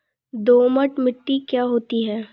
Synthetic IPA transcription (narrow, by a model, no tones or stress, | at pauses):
d̪oːməʈmɪʈːikjaːɦoːt̪iɦɛː